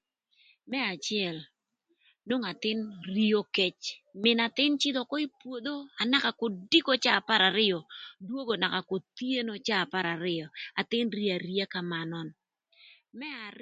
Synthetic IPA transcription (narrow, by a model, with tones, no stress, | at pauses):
mɛ˦a˨t͡ʃɪɛ˨l | no˦ŋa˨t̪ɪ˦nri˦o˦kɛ˦t͡ʃmɪ˨na˨t̪ɪ˦nt͡ʃɪ˦d̪ɔ˨kɔ˦i˦pwo˨d̪o˦a˨na˦ka˨ko˨di˦ko˦t͡ʃaː˦˨pa˦ɾa˨ɾɪ˦jɔ˨dwo˦ɡo˨na˨ka˨ko˨t̪i˦e˦no˦t͡ʃaː˦˨pa˦ɾa˨ɾɪ˦ɔ˨a˨t̪ɪ˦nri˦a˨ɾi˦a˦ka˨ma˨nɔ˦n | mɛ˦a˨